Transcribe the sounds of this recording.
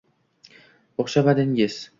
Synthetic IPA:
oχʃabad̪ɪŋɪz̥

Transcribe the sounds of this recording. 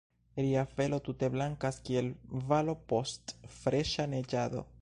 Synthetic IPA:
ɾiafe̞lo̞tute̞blaŋkaskie̞lvalo̞po̞stfɾe̞ʃane̞d͡ʒad̪o̞̰

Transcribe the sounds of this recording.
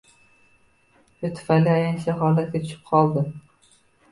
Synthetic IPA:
ʃʊt̪ʰʊ̥fanlːiajansaɦɒlat̪̚ɡʲat͡ʃ̪ʰʊ̥ʃɪ̥p̚qʰɒlˠd̪ɪ

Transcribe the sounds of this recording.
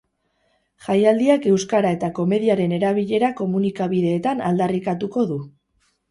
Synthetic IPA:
ʝajald̪iake̞wskaɾae̞t̪ako̞me̞ðiaɾe̞ne̞ɾaβ̞iʎe̞ɾako̞munikaβiðe̞ːt̪anald̪arikat̪uko̞ðu

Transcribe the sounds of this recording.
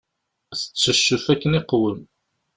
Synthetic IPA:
θə̥t͡sːəʃːufækːəniqːwəm

